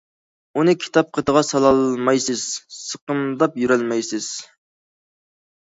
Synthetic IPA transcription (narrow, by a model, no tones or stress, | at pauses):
unɨkʲʰi̥t̪ʰɑp̚qʰət̪əʁɑsɑlˠɑlˠmɑjsɨz̥səqənd̪ɑpjyɾɛlmɛjsɪz̥